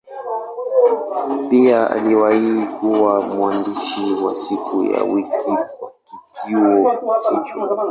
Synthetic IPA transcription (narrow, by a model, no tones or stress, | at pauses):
piaa̰liwaikuwamuandiʃiwasikuja̰wikʰiakid͡ʒiwɔhit͡ʃɔ